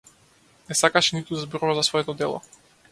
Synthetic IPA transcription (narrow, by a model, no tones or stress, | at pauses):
nɛsakaʃɛnit̪ud̪azbɾɔvazasvɔɛt̪ɔd̪ɛlˠɔ̰